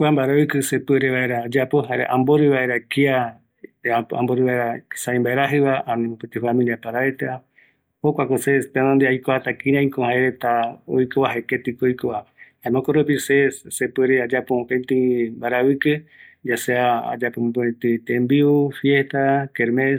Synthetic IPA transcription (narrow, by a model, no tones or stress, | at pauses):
kʷambaɾaβɨkɨsepeɾeβaeɾaːd͡ʒapoɦaeɾeʔãmboɾɨβaeɾakia | a̰mboɾɨβaeɾasaĩmbaeɾaɦɨβaʔanĩmopet̪ifamĩliapaɾaet̪ea | hokʷakosespenond̪eajkohat̪akĩɾãĩkohaeɾet̪ao̰jkoβaɦeket̪ikoojkoa | amõkoɾopisessepeɾead͡ʒapopent̪imbaɾaβɨkɨd͡ʒaseaa̰d͡ʒapomboẽt̪ɨt̪embiufjest̪akeɾme